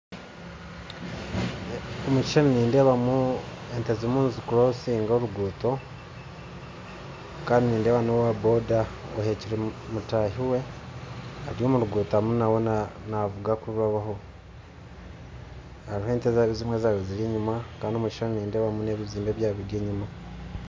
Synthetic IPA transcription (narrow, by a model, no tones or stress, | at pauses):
omuci̥ʃaniniːndeβamu | e̞ntezomuːnzikuɾousiːŋɡoɾuɡuːto̞ | kaːndiniːndewaːnowwabo̞da | ohe̞ciɾemutaːhiwe̞ | aɾijoːmuɾuɡuːtamunawo̞nnavuɡakuuβaβaɦo̞ | haɾiɦoeːntezaβizimwezaβiziɾiːɲumakaːndiomuci̥ʃaniniːndeβamuneβiβiziːmbe̞βjaːβiɡeɲuma